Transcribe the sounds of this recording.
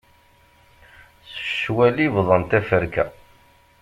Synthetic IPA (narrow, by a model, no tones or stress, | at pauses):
sə̥ʃwælivðˤənt̪æfəɾkæ̰